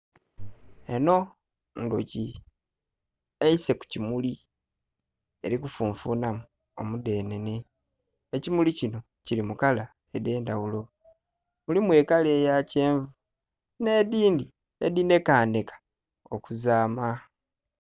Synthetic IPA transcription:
e̞no̞ | ndoci | eise̞ku̥cimuli | e̞ɾikufuːɱfuːnamu | o̞̰mude̞ːne̞ne̞ | ecimulicino̞ | cilimukala | ede̞ːndawulo̞ | mulimwe̞ːkaleːjace̞ːɱvu | ne̞diːndi | ḛdine̞kaːnde̞kḁ | okuzaːma

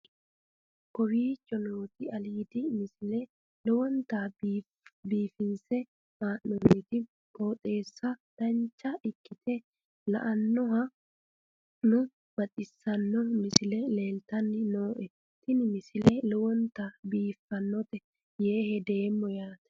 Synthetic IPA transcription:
kɔwiːt͡ʃʼːɔnoːt̪ɪɐliːd̪ɪmɪsɪlɛ | lɔwɔnt̪ab | biːfɪnsɛ | maːnːɔnːɪt̪ɪ | kʼoːt̪ʼe̞ːsːɐd̪̥ɐnt͡ʃːɐʔɪkːɪt̪ʰɛ | lɐ̰ʔɐnːɔɦɐ | nʊ | bɐtʼːɪsːɐnːɔmɪsɪlɛle̞ːlt̪ɐnːɪnoːʔɛ | t̪ɪnɪmɪsɪlɛlɔwɔnt̪abiːfːɐnːɔt̪ɛ | jeːhɛd̪e̞ːmːɔjaːt̪ɛ̥

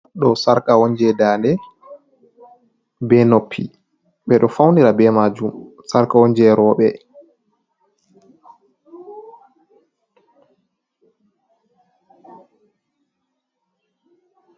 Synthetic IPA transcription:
ɗɔsaɾkawɔɲd͡ʒɛdaːndɛ | bɛnopʰːḭ | ɓɛɗɔfawniɾabɛmad͡ʒumsaɾkaɔɲd͡ʒɛɾɔːɓɛ

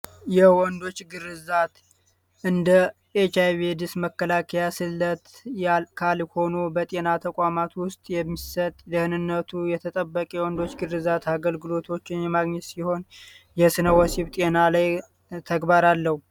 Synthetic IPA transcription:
jɛwɔnd̪o̞t͡ʃːɡɨrɨzat̪ | ʔɨnd̪ə | et͡ʃajved̪ɨsməkːəlakʰəjasɨlːət̪jakʰalho̞nobət̪ʼe̞nat̪ʰəkʼamat̪wʊst̪ʼjɛmːisət̪ʼd̪əhɨnɨnːət̪ʰujɛt̪ʰət̪ʼəbːəkʼjwɔnd̪o̞t͡ʃːɡɨrɨzat̪aɡəlɡɨlo̞t̪ʰo̞t͡ʃːɪnjɛmaɡɲɛt̪siho̞n | jɛsɨnəwɔsiβt̪ʼe̞nalaj | t̪ʰəɡbaɾalːəhu

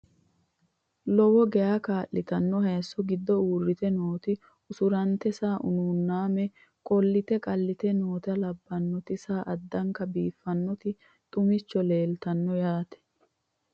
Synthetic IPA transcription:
lɔwɔɡɛjakaːʔɪt̪ɐnːɔhɐjsːɔɡɪd̪ːɔuːrːɪt̪ɛnoːt̪ɪ | ʊsʊɾɐnt̪ɛsaːʔʊ̰nuːnːaːmɛ | kʼɔlːɪt̪ɛkʼɐlːɪt̪ɛno̞ːt̪ɐlɐbːɐnːɔt̪ɪsaːʔɐd̪ːɐŋkɐbiːfːɐnːɔt̪ɪ | t̪ʼʊmɪt͡ʃːɔle̞ːlt̪ɐnːɔjaːt̪ɛ̥

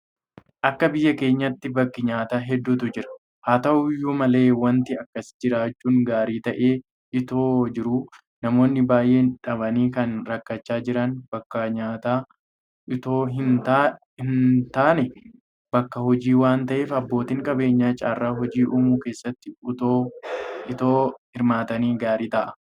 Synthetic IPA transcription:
ʔɐkːɐbɪjːɐke̞ːɲːɐt̪ːɪbɐkːɪɲaːt̪aːɦɛd̪ːuːt̪ʊd͡ʒɪɾɐ̥ | haːt̪ɐʔʊjuːmɐle̞ːwɐnt̪ɪɐkːɐsd͡ʒɪɾaːt͡ʃːuːŋɡaːɾiːt̪ɐʔeː | ʔɪt̪oːd͡ʒɪɾu | nɐmo̞ːnːɪbaːjʔe̞ːᶑɐβɐniːkɐnɾɐkːɐt͡ʃːaːd͡ʒɪɾɐnbɐkːɐɲaːt̪aː | ɪt̪oːɦɪnt̪a | hɪnt̪aːnɛ | bɐkːɐhɔd͡ʒiːwaːnt̪ɐʔe̞ːfɐbːo̞ːt̪iŋkʼɐbe̞ːɲːaːt͡ʃʼa̰ːrːaːɦɔd͡ʒiːʔuːmuːkeːsːɐt̪ːɪʊt̪oːɪt̪oːhɪɾmaːt̪ɐniːɡaːɾiːt̪ɐʔɐ̥

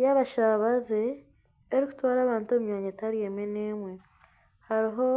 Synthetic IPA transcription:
jaβaʃaβazeː | ɾiku̥twaːɾaːβaːntuomɲoːɲetaɾjemeneːmwe̞ | haɾiɦo̞

